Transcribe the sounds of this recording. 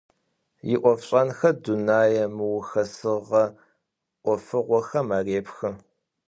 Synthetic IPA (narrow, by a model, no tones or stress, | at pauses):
jɪ̰ʔʷɔfɕʼɐnxɐdunaːjɐmɨwʊxɐsɨʁɐ | ʔʷɔfɨʁʷɔxɐmaːreːpxɨ